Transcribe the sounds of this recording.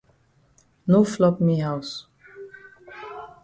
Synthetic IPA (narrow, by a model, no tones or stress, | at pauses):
noflɔpmiɦaʊs